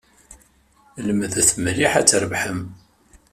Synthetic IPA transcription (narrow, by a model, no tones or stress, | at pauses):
ləmðæθmliħæt͡sːɾəvħəm